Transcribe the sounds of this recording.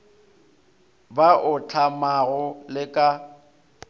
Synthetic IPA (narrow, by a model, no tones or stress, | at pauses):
baʔʊt͡ɬʰamaɣʊlɪkʼa